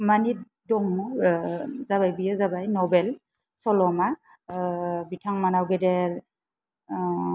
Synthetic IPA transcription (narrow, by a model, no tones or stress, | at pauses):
mani | dɔŋɔ | zabajbijɔzabajnɔbɛl | sɔlɔma | bitʰaŋmanawɡɛdɛɹ